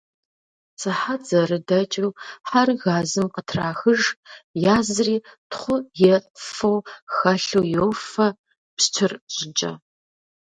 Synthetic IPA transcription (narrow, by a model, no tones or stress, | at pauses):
sɐħad͡zɐɾɨdɐt͡ʃʼɐwħarɣaːzɨmqətʰraːxɨʒjaːzriːtχʷʊjɛfɐwxɐɬuːjɛwfɐ | pstʰɨrʑ̥ʼɪt͡ʃʼɐ̰